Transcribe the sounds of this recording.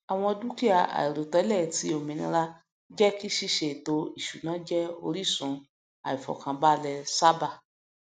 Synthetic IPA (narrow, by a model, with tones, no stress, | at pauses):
a˨w̃ɔ̃˧du˦ki˦a˦˨a̰˨i˨ɾo˨tɔ˧˦lɛ˦˨ti˨˦o˨mĩ˧nḭ̃˧ɾa˦ | d͡ʒɛ˦ki˦ʃi˦ʃe˨to˧i˨ʃu˨nãː˨˦d͡ʒɛ˦o̰˧ɾi˦sũ˨˦ | a˨i˨fɔ̰˨kã˧ba˦lɛ˧sa˦ba˧˨